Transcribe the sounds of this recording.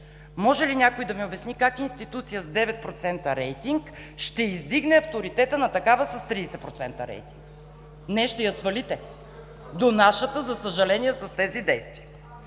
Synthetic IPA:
mɔʒɛlinʲakoid̪ɐmiobɛsnikakinst̪it̪ut̪sijəzd̪ɛvɛt̪̚pɾot̪sɛnt̪əɾɛjt̪iŋk | ʃt̪ɛizd̪iɡnɛɐft̪oɾit̪ɛt̪ənɐt̪ɐkavəsɐst̪ɾiːsɛpɾot̪sɛnt̪əɾɛ̰jt̪iŋk | nɛʃt̪ɛjɐsvɐlit̪ɛ | d̪onaʃət̪əzɐsəʒɐlɛnijɛsɐst̪ɛzid̪ɛjst̪viə

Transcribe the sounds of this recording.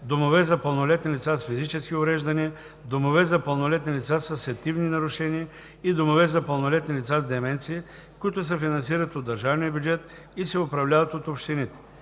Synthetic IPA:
d̪omovɛzɐpəlˠnolɛt̪nilʲit̪sasfizit͡ʃɛsk̟iovɾɛʒd̪ɐniə | d̪omovɛzɐpəlˠnolɛt̪nilʲit̪sasəsɛt̪ivninɐɾʊʃɛniə | id̪omovɛzɐpəlˠnolɛt̪nilit̪sazd̪ɛmɛnt̪siː | kʊit̪ʊs̬əfinɐns̬iɾət̪od̪ːɐɾʒavnijəbʲjud͡ʒɛt̪ | isɛʊpɾɐvlʲavɐt̪ot̪opʃt̪init̪ɛ̥

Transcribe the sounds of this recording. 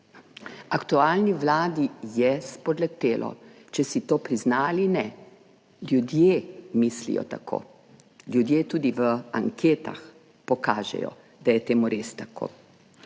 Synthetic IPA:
akt̪uaːlniʋlaːd̪ijɛspɔd̪lɛt̪eːlʔɔ̰ | t͡ʃɛsit̪oːpɾiznaːlinɛ | ljud̪jemislḭjɔ̰t̪akʰo̰ː | ljud̪jeːt̪uːd̪iʋəa̰ŋkʰeːt̪a̰x | pɔkaːʒɛ̰jɔ̰ | d̪ajɛt̪eːmuɾest̪akʰo̰ː

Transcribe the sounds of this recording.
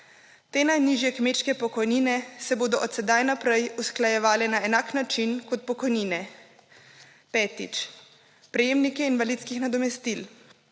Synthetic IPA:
t̪eːnajniʒjɛkmeːt͡ʃkɛpɔkɔjniːnɛsɛboːd̪ɔʔɔt̪sɛd̪ajnapɾɛjusklajɛʋaːlɛnaɛnaːknat͡ʃinkɔt̪̚pɔkɔjniːnɛ | pɛːt̪ḭt͡ʃ | pɾɛjeːmnikɛinʋalit̪skixnad̪ɔmɛst̪il

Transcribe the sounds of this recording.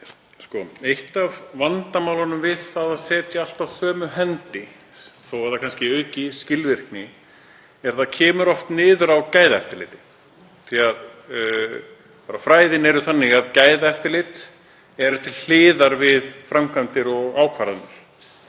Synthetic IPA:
skɔejht̪avvant̪amaːwlanʏmvɪð̥θaðaðsɛːt̪ial̥t̪avsœːmʏɦɛnt̪ɪ | θowɛɾ̥θakʰanscɪœːɥcɪscɪlvɪr̥knɪ | ɛɾ̥θaðcʰɛːmʏɾɔft̪nɪːðʏɾawcaːjðaɛft̪ɪɾlɪːt̪ɪ̥ | θiað | paːɾafɾaːjðɪnɛɾʏθanːɪɣaðcaːjðaɛft̪ɪɾlɪːt̪ | ɛɾʏt̪ʰɪlhɪːðaɾvɪðfɾamkʰant̪ɪɾɔɣaːwkʰvaːɾanaɾ̥

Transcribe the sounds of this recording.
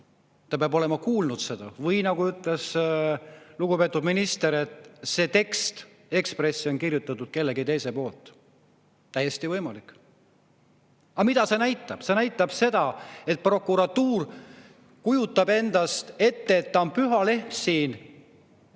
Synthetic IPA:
t̪ːɑpeɑbo̞le̞mɑkuːlnud̪̥se̞d̪̥ɑ̰vɤjnɑɡuyt̪ˑle̞s | luɡupe̞ːt̪ːˑud̪̥minist̪e̞ɾe̞t̪se̞ːt̪e̞kst̪ | e̞kspre̞sːio̞nkirjut̪ːˑɑt̪ːud̪̥̚ke̞lːe̞ɡit̪e̞jse̞po̞ːlt̪ˑː | æjːest̪ivɤjmɑlikˑː | ɑmid̪̥ɑse̞næjt̪ːˑɑb̥se̞næjt̪ːˑɑb̥se̞d̪̥ɑe̞t̪̚pro̞kːˑuɾɑt̪ːuːr | kujut̪ːˑɑbe̞nd̪̥ɑst̪e̞t̪ːe̞ːt̪ːɑonpyɦɑle̞hmsiːn

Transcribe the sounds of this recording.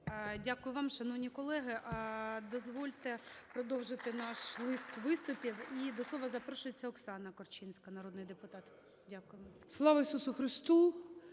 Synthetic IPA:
dʲakʊjʊʋɑmʃɐnɔʋnʲikɔlˠɛɦɪʔd̪ɔzʋɔlʲt̪epɾɔd̪ɔwʒɪt̪ɪnɑʃlˠɪst̪ʋɪst̪ʊpʲiwid̪ɔslˠɔʋɐzɐpɾɔʃʊjet͡sʲːɐɔksɑnɐkɔrt͡ʃinsʲkɐnɐɾɔd̪nɪjd̪epʊt̪ɑt̪ | dʲakʊjemslˠɑʋɐisusʊxɾɪst̪u

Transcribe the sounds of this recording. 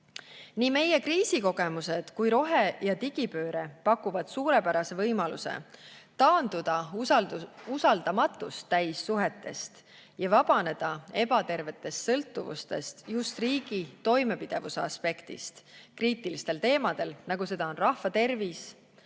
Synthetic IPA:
niːme̞je̞kriːsiko̞ɡ̥e̞muse̞d̪̥kujɾo̞ɦejɑt̪iɡ̥ipø̞ːɾe̞pɑkːuvɑd̪̥suːɾepæɾɑse̞vɤjmɑlṵse̞̰t̪ɑːnd̪̥ud̪̥ɑ | usɑld̪̥ɑmɑt̪ːˑust̪ːæjsːuɦe̞t̪ːˑe̞st̪ | jɑvɑb̥ɑne̞d̪̥ɑe̞pɑt̪e̞rve̞t̪ːˑe̞st̪sɤlt̪ːˑuvṵst̪e̞̰st̪just̪riːɡ̥it̪o̞jme̞pid̪̥e̞vuseɑ̰spe̞kt̪ḭst̪kriːt̪ˑilist̪e̞lt̪e̞ːmɑd̪̥e̞lnɑɡuse̞d̪ɑonrɑhvɑt̪e̞rvis

